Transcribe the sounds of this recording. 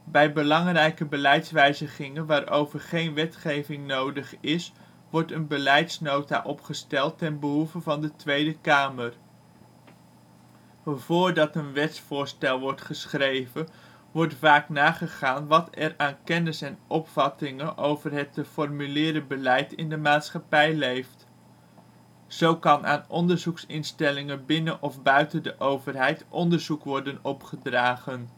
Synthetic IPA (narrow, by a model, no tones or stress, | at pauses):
bɛjbəlɑŋrɛjkəbəlɛjtsʋɛjzəχɪŋənʋaːɾʔo̰wvəɹχejnʋɛtχejvɪŋnowdəχɪs | ʋɔɹtənbəlɛjtsnowta̰ʔɔpχəstɛlˠtːɛnbəɦuvəvɑndətʋejdəkaːmər | vʊːɹdɑtənʋɛtsfʊːɹstɛlˠʋɔɹtχəsχrejvə | ʋɔɹtvaːknaːχəχaːnʋɑtɛraːnkɛnɪsɛnʔɔpfɑtɪŋənʔowvərɦɛtəfɔrmylɪːɾəbəlɛjtɪ̰ndəmaːtsχɑpɛjlejft | z̥owkɑnʔa̰ːnɔndəɹzuksɪnstɛlɪŋəbɪnəʔɔfbœɥtəndəʔowvəɹɦɛjtʔɔndəɹzukʋɔɹdənɔpχədraːχən